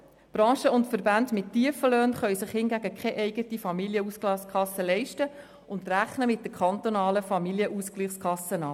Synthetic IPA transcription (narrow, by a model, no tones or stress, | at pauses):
b̥ɾɑ̃ːʃəʊntfəɾbændmɪtːiəfəløːnχœʏsɪχhɪnɡæɡəkχɛʔɛɪɡətifɑmiljəusklɑskʰɑsːəlɛɪʃtə | ʊndræχnəmɪt̚dəkʰɑnt̪onɑːləfɑmiljəʔusklɪχskʰɑsənɑː